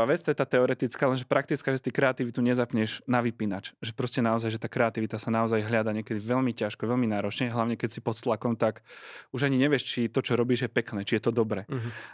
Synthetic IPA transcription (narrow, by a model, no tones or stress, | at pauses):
aʋɛt͡st̪ɔjɛt̪aːt̪ɛɔɾɛt̪it͡skaːlɛnʒɛpɾak̚t̪it͡skaʒɛt̪ikɾɛat̪iʋit̪uɲɛzapɲɛʒnaʋipinat͡ʃʒɛpɾɔscɛnaɔzajʒɛt̪aːkɾɛat̪iʋit̪asanaɔzajɦʎad̪aɲɪɛkɛd̪iʋɛʎmicaʃkɔʋɛʎminaːɾɔt͡ʃɲɛɦlaʊɲɛkɛcsipɔt̪st̪lakɔmt̪akuʒaɲiɲɛʋɪɛʃt͡ʃit̪ɔt͡ʃɔɾɔbiːʒjɛpɛknɛːt͡ʃijɛt̪ɔd̪ɔbɾɛː